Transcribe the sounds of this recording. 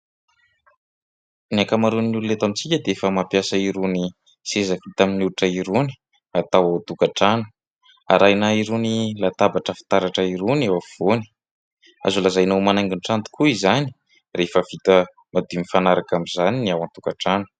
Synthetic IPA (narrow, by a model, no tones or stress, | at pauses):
niakamaɾunululet̪amit͡sikʲəd̪eefəmapjasəiɾuni | sezəvit̪aminuluʈ͡ʂəiɾuni̥ | at̪awaw̪t̪ukaʈ͡ʂanu̥ | a̰ɾajnaiɾunilat̪abaʈ͡ʂəfi̥t̪aɾaʈ͡ʂəiɾunewav̥oni̥ | a̰zulazajnowmanajŋɡiɳʈ͡ʂant̪u̥kʰuizani̥ | refəvit̪ə | mad̪imifanaɾakamizaniniawant̪ukaʈ͡ʂanu̥